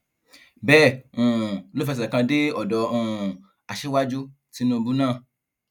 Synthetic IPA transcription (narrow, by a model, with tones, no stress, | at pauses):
bɛː˦˨ũ˨lo˦fɛ˧s̬ɛ˨kã˧de˦ɔ˨dɔ˨ũ˨ | a˨ʃe˦wa˦d͡ʒu˦ | ti˨˦nũ˦˧bu˦nãː˦˨